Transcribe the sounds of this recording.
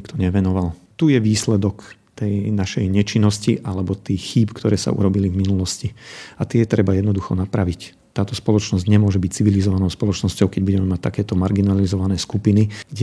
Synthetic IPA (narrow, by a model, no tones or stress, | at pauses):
kt̪ɔɲɛʋɛnɔʋal | t̪ujɛʋiːslɛd̪ɔk | t̪ɛjnaʃɛjɲɛt͡ʃinːɔsciʔalɛbɔt̪iːxiːpkt̪ɔɾɛːsa̰ʔṵɾɔbilivminulɔsciat̪ɪɛjɛt̪ɾɛbajɛd̪nɔd̪uxɔ̰napɾaʋic | t̪ːaːt̪ɔspɔlɔt͡ʃnɔzɟɲɛmʊɔʒɛbic̚t͡siʋilizɔʋanɔʊspɔlɔt͡ʃnɔscɔʊkɛɟbuɟɛmɛmac̚t̪akɛːt̪ɔmaɾɡinalizɔʋanɛːskupiniɡ̥ɟɛ